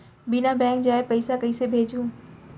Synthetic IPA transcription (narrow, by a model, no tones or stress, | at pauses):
bɪnabɛ̃ːŋk̚d͡ʒaːepɐɪsakɐisebʱeːd͡ʒũː